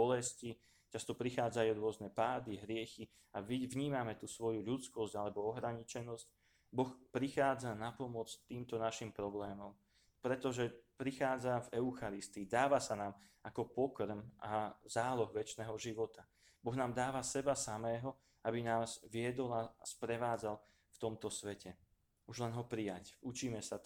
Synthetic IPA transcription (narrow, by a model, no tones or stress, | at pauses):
bɔlɛsci | t͡ʃast̪ɔpɾixaːd͡zajuɾʊɔznɛpaːd̪iɦɾɪɛxi | avɲiːmamɛt̪uːsʋɔjuʎut͡skɔsɟalɛbɔɔɦɾaɲit͡ʃɛnɔsc | bɔxpɾixaːd͡zanapɔmɔt͡st̪iːmt̪ɔnaʃimpɾɔblɛːmɔm | pɾɛt̪ɔʒɛpɾixaːd͡zavɛʊxaɾist̪iːd̪aːʋasanaːmakɔpɔkr̩mʔazaːlɔɣʋɛt͡ʃnɛːɦɔʒiʋɔt̪a | bɔɣnaːmd̪aːʋasɛbasamɛːɦɔ | abinaːz̥ʋɪɛd̪ɔlaspɾɛʋaːd͡zal | ft̪ɔmt̪ɔsʋɛcɛ | uʒlɛnɦɔpɾijacut͡ʃiːmɛsa